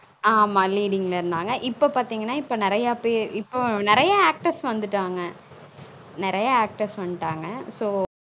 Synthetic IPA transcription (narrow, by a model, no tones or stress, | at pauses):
aːmaːliːɽɪŋɡɐlɐɪɾɯnd̪aːŋɡɐʔɪpːoːpaːɾt̪iːŋɡɐnːaːɪpːoːnɪɾɐjaːpeːɾɪpːoːnɪɾɐjɐaːk̚ʈɐɾsʋɐnd̪ɯʈːaːŋɡɐ | nɪɾɐjɐaːk̚ʈɐɾsʋɐnːʈːaːŋɡɐsoː